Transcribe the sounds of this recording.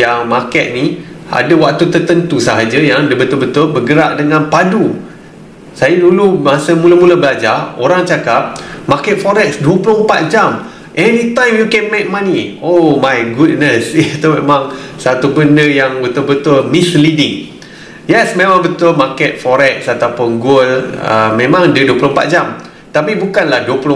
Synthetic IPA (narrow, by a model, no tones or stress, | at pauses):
jaŋmakɛt̪̚nia̰dəwak̚t̪ut̪ət̪ənt̪usaɦad͡ʒəjaŋadəbət̪ʊlbət̪ʊlbəɡəɾaʔ̚dəŋãnpadu | sajadulumasəmũləmulabəlad͡ʒaoɾaŋt͡ʃakap̚makɛt̪̚fɔɾɛksduəpulõŋəmpat̪̚d͡ʒam | ʔɛnit̪ãjmjukɛnmek̚mãniomajɡud̚nəsit̪omemãŋsat̪ubəndəjaŋbət̪ʊlbət̪ʊlmislidiŋ | jɛsmẽmãŋbət̪ʊlmakɛt̪̚fɔɾɛk̚sat̪apʊnɡolə̰mẽmãŋdəduəplõmpa̰t̪̚d͡ʒam | t̪apibukanlahduəpulʊ